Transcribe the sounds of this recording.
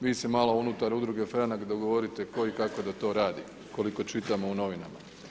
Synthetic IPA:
ʋiːsemaːlounut̪aɾud̪ɾuɡe̞fɾanakd̪oɡoʋo̞ɾit̪e̞ko̞ikako̞d̪at̪o̞ːɾaːd̪i | ko̞liko̞t͡ʃit̪amo̞uno̞ʋinama̰

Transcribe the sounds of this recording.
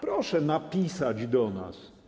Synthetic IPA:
pɾɔʂɛnapʲisad͡ʑd̪ɔna̰s

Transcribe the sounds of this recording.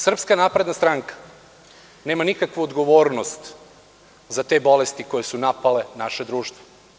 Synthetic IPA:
sr̩pskanaːpɾe̞d̪nast̪ɾaŋkḁ | ne̞ːmanikakʋuod̪ɡoʋoːɾno̞st̪ | zat̪e̞bo̞lest̪iko̞jesunapale̞naʃed̪ɾuːʃt̪ʋo̥

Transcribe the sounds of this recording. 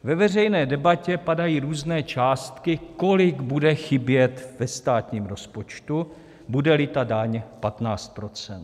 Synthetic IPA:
vɛvɛr̝ɛjnɛːdɛbacɛpadajiːɾuːznɛːt͡ʃaːst̪kɪko̞lɪɡbudɛxɪbjɛt̪vɛst̪aːt̪ɲiːmɾo̞spo̞t͡ʃt̪u | budɛlɪt̪adaɲpat̪naːt͡st̪̚pɾo̞t͡sɛnt̪

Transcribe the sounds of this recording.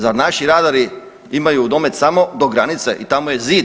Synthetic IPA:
zaɾnaʃiɾaːd̪aɾi | imajud̪omet̪samo̞d̪oɡɾanit̪seʔit̪amoje̞ziːd̪

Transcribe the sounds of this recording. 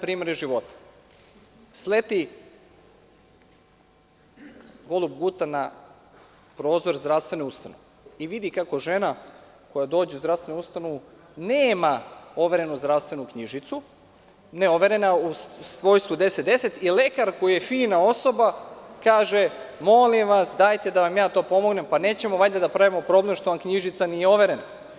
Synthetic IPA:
pɾiːmeɾʒiʋo̞t̪ḁ | slet̪i | ɡo̞lˠubɡut̪ana | pɾo̞ːzo̞ɾzd̪ɾaʋst̪ʋenoust̪anoʋeiʋid̪ikako̞ʒe̞na | ko̞jad̪o̞ːd͡ʑeuzd̪ɾafst̪enuust̪ano̞ʋu | neːmao̞ʋe̞ɾe̞nuzd̪ɾaʋst̪ʋenukɲiʒit̪su | ne̞o̞ʋe̞ɾe̞nausʋo̞ːjst̪ʋud̪e̞set̪d̪e̞se̞t̪ile̞kaɾkojijefiːnao̞so̞bakaːʒemo̞limʋasd̪ajt̪e̞d̪aʋamjaːt̪o̞ːpo̞mo̞ɡne̞mpane̞ːt͡ɕe̞moʋajd̪ad̪apɾaʋimo̞pɾo̞ble̞mʃt̪oʋamkɲiʒit̪sanijeo̞ʋe̞ɾena

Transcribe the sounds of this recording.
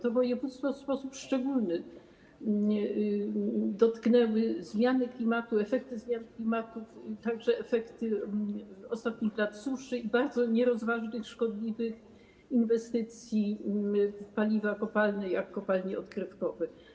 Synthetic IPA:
t̪ɔvɔjɛvut̪st̪fɔspɔsupʂt͡ʂɛɡulnɘ | d̪ɔt̪knɛwɘzmʲjanɘklʲimat̪uɛfɛk̚t̪ɘzmʲjanklʲimat̪uft̪aɡʐɛɛfɛkt̪ɘ | ɔst̪at̪ɲixlat̪suʂɘibaɾd̪zɔɲɛɾɔzvaʐnɘxʂkɔd̪lʲivɘx | invɛst̪ɘt̪sʲji | palʲivakɔpalnɛjakːɔpalɲiɔt̪kɾɘfkɔvɛ

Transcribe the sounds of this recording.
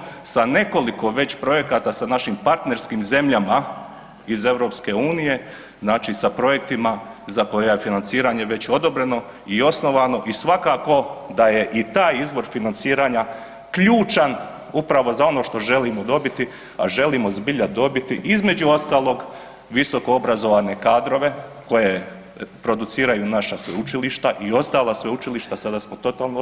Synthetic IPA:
sane̞ko̞liko̞ʋe̞t͡ɕpɾo̞je̞kat̪asanaʃimpaɾt̪ne̞ɾskimze̞mʎama | ize̞ʋɾo̞ːpske̞uːnije̞ | znaːt͡ʃisapɾo̞je̞kt̪ima | zako̞jeaje̞finant̪siːɾaɲe̞ʋe̞t͡ɕo̞d̪o̞bɾe̞no̞ | io̞sno̞ʋano̞ʔisʋakako̞d̪aje̞ʔit̪aːjizʋo̞ɾfinant̪siːɾaːɲa | kʎuːt͡ʃan | upɾaʋo̞zao̞no̞ːʃt̪o̞ʒe̞limod̪o̞bit̪i | a̰ʒe̞limo̞zbiʎad̪o̞bit̪iʔizme̞d͡ʑuo̞st̪aːlˠo̞ɡ | ʋiso̞koo̞bɾazo̞ʋane̞kaːd̪ɾo̞ʋe̞ | ko̞je | pɾo̞d̪ut̪siːɾajunaʃasʋeut͡ʃiliʃt̪aʔio̞st̪aːlˠasʋeut͡ʃiliʃt̪asad̪asmot̪o̞t̪aːlˠno

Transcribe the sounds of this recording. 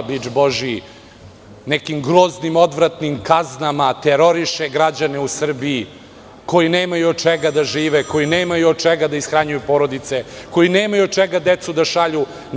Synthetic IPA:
bid͡ʒboʒi | nekimɡɾo̞ːznimo̞d̪ʋɾat̪nimkaznamat̪eɾo̞ɾiʃeɡɾad͡ʑaneusr̩bii | ko̞jineːmajuod̪̚t͡ʃeɡad̪aʒiːʋeko̞jineːmajuod̪̚t͡ʃɛɡad̪aisxɾaɲujupo̞ɾod̪it̪seko̞jineːmajuot͡ʃeɡad̪et̪sud̪aʃaʎu

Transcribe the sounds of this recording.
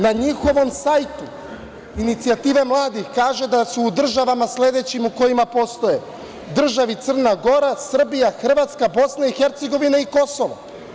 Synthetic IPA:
naɲixo̞ʋo̞msaːjt̪u | init̪siat̪iːʋe̞mlˠaːd̪ixkaːʒe̞d̪asuːd̪r̩ʒaʋamasled̪e̞t͡ɕimuko̞jimapo̞st̪o̞je | d̪r̩ʒaʋit̪sr̩naɡo̞ɾasr̩bijaxr̩ʋat̪skabo̞snaixeɾt̪se̞ɡo̞ʋinaiko̞so̞ʋa̰

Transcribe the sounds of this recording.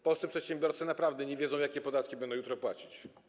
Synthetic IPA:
pɔlsɨpʂɛt̪ɕɛmbʲjɔɾt̪sɛnapɾavd̪ɛɲɛvʲjɛdzɔ̃w̃jakʲɛpɔd̪at̪̚kʲibɛnd̪ɔ̃jut̪ɾɔpwat͡ɕit͡ɕ

